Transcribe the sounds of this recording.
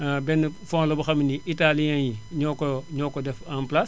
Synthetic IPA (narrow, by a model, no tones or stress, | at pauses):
bɛnəfɔ̃ːŋlɐbuxɐminiitalijãnjiɲɔkɔɲɔːkːɔdɛfãmplas